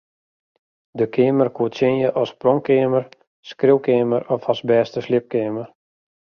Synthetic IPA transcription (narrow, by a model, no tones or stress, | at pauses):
dəkʰɪːmərkʰuətsɪnjəʔɔsprɔŋkɪːmər | skrɪwkeːməɾɔfɔsbɛːstəslɪp̚kɪːmər